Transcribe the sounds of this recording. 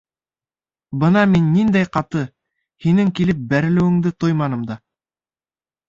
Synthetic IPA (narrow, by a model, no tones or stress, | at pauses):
bɤnɑminːind̪æjqɑt̪ɤ | hinɘŋkilɘp̚bæɾɘ̆lɘ̆wɘ̆ŋd̪ɘt̪ojmɑnɤ̆md̪ɑ